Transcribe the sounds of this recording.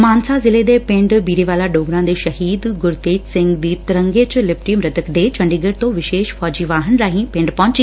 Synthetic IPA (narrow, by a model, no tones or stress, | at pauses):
maːnsazɪled̪epɪ̃ɳɖbiːɾeʋaːlaɖoːɡɾãd̪eʃɐɦiːd̪ɡʊɾt̪eːd͡ʒsɪ̃ŋɡd̪iːt̪ɪɾə̃ŋɡet͡ɕlɪp̚ʈiəmɾɐt̪əkd̪et͡ɕɐ̃ɳɖiːɡəɽt̪õːʋɪʃeːʃfɔːd͡ʑiːʋaːɦənɾaːɦĩpɪ̃ɳɖpɐɦʊ̃ɲt͡ɕi